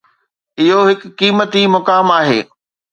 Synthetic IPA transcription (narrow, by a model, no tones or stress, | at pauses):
ɪɦoɦɪkːiːmət̪imʊkaːmaːɦḛː